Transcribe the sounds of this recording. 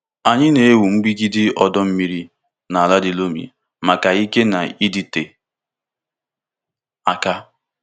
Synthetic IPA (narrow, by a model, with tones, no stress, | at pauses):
a˨ɲɪ˦ne˨e˦wu˨ŋ͡m̩˦ɡ͡bi˦ɡi˦dɪ˦ɔ˨dɔ˦m̩˦mi˦ɾi˦ | na˨a˨la˦dɪ˨lo˦mḭ˨ | ma˨ka˨i˦ke˦na̰˨i˦di˨te˨ | a̰˨ka˦